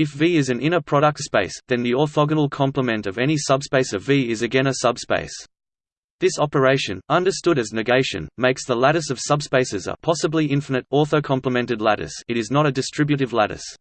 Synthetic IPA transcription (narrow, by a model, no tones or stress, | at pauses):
ɨfviɪzɨ̃nɪ̃ñə˞pʰɹ̥ɑɾək̚tspeɪsðɨ̃nðiɔθɑɡənl̩ˠkʰɑ̃mpləmɨ̃ntʌvɛñisʌb̥speɪsʌviɪzɨɡɛ̃ñɨsʌb̥spḛɪs | ðɪsɑpə˞eɪʃɨ̃nʌ̃ndə˞stʊɾɨznɨɡeɪʃɨ̰̃nmeɪksðəlæɾɨsʌv̥sʌbspeɪsɨzə̰pʰɑsəbliɪ̃ɱfənɨɾɔɹθəʊkʰɑ̃mpləmɛ̃ntɨdˡlæɾɨ̰sɨɾɨznəɾɨdɨstɹ̥ɪbjɨɾɨvlæɾɨ̰s